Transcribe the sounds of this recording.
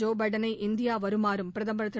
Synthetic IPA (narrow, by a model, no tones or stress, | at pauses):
oːbɐɽɐnɐʔind̪jaːʋɐɾumaːɾumprɐðɐmbɐɾɐt̪ːɐ